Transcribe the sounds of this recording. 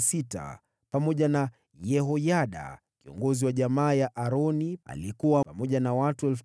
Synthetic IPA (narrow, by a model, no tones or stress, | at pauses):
sita̰ | pamɔʄana | jɛɦɔjaɗa̰ | kiɔ̰ŋɡɔziwaʄamaːjaʔaɾɔnia̰likuwapamɔʄanawatuɛlf